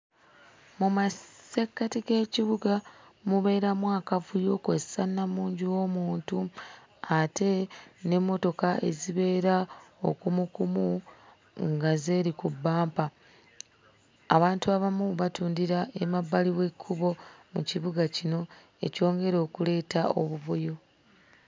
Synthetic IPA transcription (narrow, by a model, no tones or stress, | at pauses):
mumasekːatiɡe̞ːciβuɡamuβe̞ːɾamwaːkavujo̞ːkwessanːamuːɲɟiwo̞muːntu | ate̞ne̞mːo̞to̞kaʔe̞̰ziβe̞ːɾao̞̰kumukumu | ŋɡaze̞ːɾikubːaːmpa | βaːntuaβamuβatuːndiɾaemabːaliwe̞kʰːuβo̞mṵciβuɡacino̞ | eco̞ːŋɡe̞ɾo̞ːkule̞ːtao̞̰βuβojo